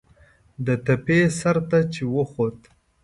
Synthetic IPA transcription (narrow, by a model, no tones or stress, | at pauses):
d̪ət̪apesaɾt̪at͡ʃewəxot̪